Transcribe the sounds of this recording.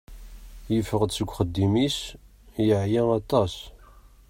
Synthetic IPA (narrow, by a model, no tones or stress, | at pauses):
jəfːəʁd̪səɡʷːχəd̪ːimis | jəʕjæɑt̪ˤɑs